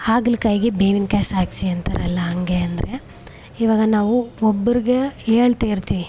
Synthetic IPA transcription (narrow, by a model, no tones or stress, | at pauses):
aːɡlkɐjɡebeːʋinkaːsaːkt͡ʃiɐnt̪ʰɐɾɐlːɐɐŋɡeɐnd̪ɾe | iʋaːɡɐnaːʋuobːɐɾiɡeeːɭt̪eːiɾt̪iːʋi